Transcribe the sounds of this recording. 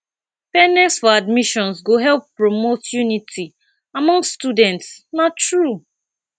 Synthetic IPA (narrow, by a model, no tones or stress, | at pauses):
pɛnɛsfɔadmiʃɔ̃nsɡoɦɛlpːɹomotjunitʰi | amɔ̃ŋstudɛ̃ntsnatɹu